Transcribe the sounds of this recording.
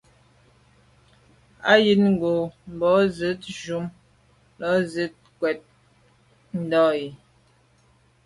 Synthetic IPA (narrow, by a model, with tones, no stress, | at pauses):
a˦ji˦nŋ̩˦˨ɡo˨m˨bɔ˨˦zə˨˦t̚ʒu˨˦m | lɔ˦zə˦t̚kwɛ˨t̚ | n̩˦dɔ˦ji˨